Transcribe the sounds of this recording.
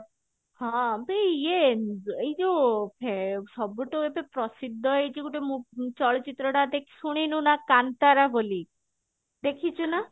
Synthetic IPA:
ɦɔ̃beeejd͡ʒopʰesɔbuʈɔepepɾɔsid̪ʱːɔet͡ʃiɡuʈemũt͡ʃɔɭɔt͡ʃit̪ɾɔɽad̪ekʰi̥suɽ̃inũnakant̪aɾaboli | d̪ekʰit͡ʃʰuna

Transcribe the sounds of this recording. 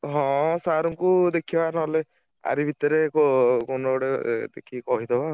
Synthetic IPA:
ɦɔ̃saɾuŋkud̪ekʰibanɔɦle | a̰ɾibʱit̪ɔɾekɔkonɔɽed̪ekʰikɔɦid̪ɔba

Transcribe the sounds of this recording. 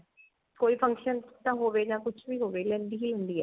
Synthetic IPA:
koːiːpʰə̃ŋkʃənt̪ãɦoːʋeːd͡ʒãːkʊt͡ʃʰʋiːɦoːʋeːlɛ̃nd̪iːɦiːlɛ̃nd̪iːɛː

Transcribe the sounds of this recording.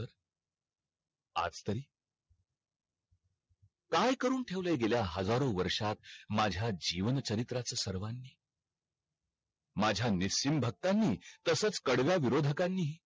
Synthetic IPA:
əɾ | a̰d͡zt̪əɾiː | kajkəɾuːnʈʰeʋləjɡeljaɦəd͡zaɾoʋəɾʂat̪̚mad͡ʑʱjad͡ʑiʋənt͡ɕəɾit̪ɾat͡səsəɾʋanːiː | mad͡ʑʱjanisːimbʱək̚t̪anːiːt̪əsət͡skəɽʋjaʋiɾod̪ʱəkanːiː

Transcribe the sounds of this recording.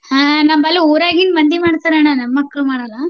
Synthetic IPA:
hãːnɐmbɐlːuoːɾaːɡinmɐnd̪imaːɽt̪aːɾananɐmːɐkːɐmaːɽɐlɐ

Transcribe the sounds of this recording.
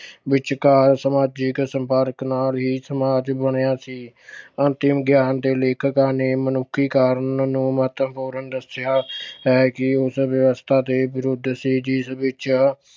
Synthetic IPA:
bɪt͡ʃkaːɾsəmaːd͡ʒɪksəmpəaɾəknaːlɦiːsəmaːd͡ʒbəɳ̃ejaːsiː | ənt̪ɪmɡjaːnd̪eːleːkʰəkaːneːmənʊkʰːiːkaːɾnnũːməɦət̪əmpoːɾənd̪əsɪjaːɦɛːkɪʊsʋjəʋəst̪ʰaːd̪eːbɪɾʊd̪ʱsiːd͡ʒɪsʋɪt͡ʃ

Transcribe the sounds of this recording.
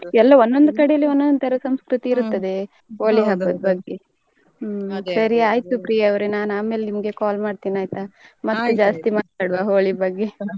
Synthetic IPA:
ɛlːɐonːond̪ukɐɽejɐlːionːond̪ut̪ʰɐɾɐsɐmskɾut̪iːɾut̪ːɐd̪e̞ | ɦoːɭiɦɐbːɐd̪̚bɐɡːe | sɐɾiaːjt̪upɾijaɐʋɾenaːnaːme̞ːlenimɐɡe̞kaːlmaːɽt̪iːnaːjt̪amɐt̪ːud͡ʒaːst̪imaːt̪aːɽʋaɦoːɭibɐɡːe

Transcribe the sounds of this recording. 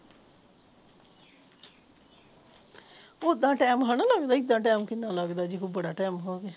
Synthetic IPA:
ʊd̪ãːʈɛːmɦanãːləɡd̪aːɪd̪ãːʈɛːmkɪnːãːləɡd̪aːd͡ʒɪkuːbəɽaːʈɛːmɦoːɡeː

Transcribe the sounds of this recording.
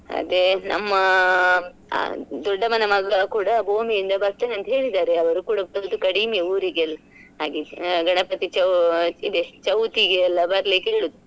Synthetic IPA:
ɐ̰d̪enɐ̰mːɐ | d̪ɔɖːɐmɐnɐmɐɡɐkuːɽɐbʱoːmijind̪ɐbɐɾt̪ɐːneɐnd̪uɦe̞ːɭid̪aːɾeɐʋɐɾuːkuːɽɐbɐɭud̪ukɐɽimeuːɾiɡeɐlːɐ | aːɡiɡɐɳɐpɐt̪it͡ʃɐid̪et͡ʃɐwt̪iɡeɐlːɐbɐɾlikeɦeːɭud̪u

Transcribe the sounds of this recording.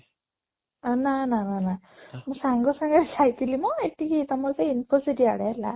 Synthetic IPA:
nananana | mʊsaŋɡɔsaŋɡasajt̪ilimɔetikit̪amɔseinpʰɔsidiaɽɛla̰

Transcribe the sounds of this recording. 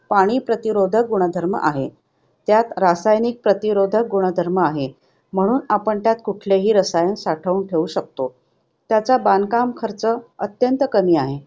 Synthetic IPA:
paɽ̃iːpɾət̪iɾod̪ʱək̚ɡuɽ̃əd̪ʱəɾmə̰ʔaɦe | t̪jat̪ɾasajnik̚pɾət̪iɾod̪ʱək̚ɡuɽ̃əd̪ʱəɾməaɦe | m̤əɽ̃uːnapəɳt̪jat̪kuʈʰleɦiːɾəsajənsaʈʰəunʈʰeuːɕək̚t̪o | t̪jat͡sabankamkʰəɾt͡səət̪jənt̪əkəmiːaɦe

